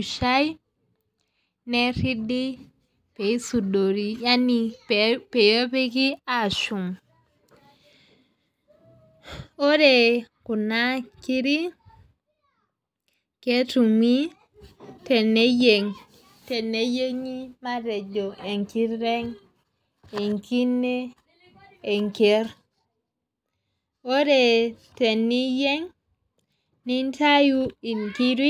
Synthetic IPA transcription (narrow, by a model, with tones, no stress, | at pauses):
u˨ʃa˦i˦ | nɛ˦ɾi˦di˦ | pe˨i˦su˨do˨ɾi˨ja˦ni˨pɛ˨jo˦pɛ˦ki˦a˨ʃu˨ŋ | o˦ɾɛ˨ku˨na˦ki˦ɾi˦ | kɛ˦tu˨ŋi˦ | te˨nːe˦je˨ŋ | te˨nːe˦je˦ŋi˦ma˦de˨d͡ʒo˨ʔe˨ŋki˦ɾɾe˦ŋ | e˨ŋki˦nːe˦ | e˨ŋke˦ɾ | o˦de˨te˨nːi˦je˦ŋ | ni˦nta˦ju˦i˨ŋki˦ɾi˦